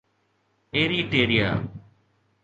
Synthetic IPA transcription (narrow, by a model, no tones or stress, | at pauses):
eːɾiʈeːɾija̰ː